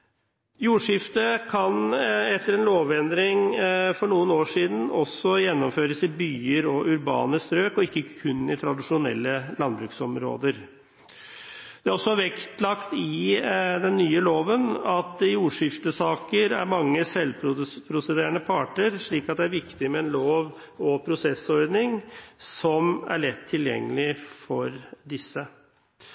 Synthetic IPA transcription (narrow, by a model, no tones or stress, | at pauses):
juːʂɪft̪əkʰɑnɛt̪ːəɾɛnloːʋɛnd̪ɾɪŋfɔɳuːənoːʂiːd̪n̩ɔsːɔjɛnːɔmføːɾəsɪbyːəɾɔʔʉɾbɑ̰ːnəst̪ɾøːkɔɪkːəkʰʉnːɪt̪ʰɾɑd̪ɪʂʊnɛ̰lːəlɑnbɾʉksɔmɾo̰ːd̪əɾ | d̪̥ɛæɾɔsːɔʋɛkt̪lɑkt̪ɪd̪ɛnːyːəloːʋənɑt̪ɪuːʂɪft̪əsɑːkəɾæ̰ɾmɑŋːəsɛlpʰɾʊpʰɾʊsɛd̪eːɾəɳəpʰɑːʈəɾʂɭiːkɑt̪̚d̪ɛæɾʋɪkt̪ɪmɛːnloːʋ | ɔpʰɾʊsɛsɔɾd̪nɪŋsɔmæ̰ɭɛt̪ʰːɪljɛ̰ŋːəlɪfɔɾd̪ɪsːə